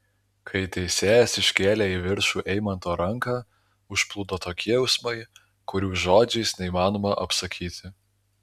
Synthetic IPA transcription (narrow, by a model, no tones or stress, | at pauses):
kʰɐɪt̪ʲɛɪsʲeːjɛsɪʃʲkʲeːlʲæːiʋʲɪɾʃuːʔɛɪmɐnt̪oːɾɐŋkɑː | ʊʃplˠud̪oːt̪oːkʲiɛɛʊsmɐɪ | kʊɾʲuːʒoːd͡ʒʲɛɪsnʲɛimɑːnoːmɐʔɐpsɐkʲʰiːt̪ʲɪ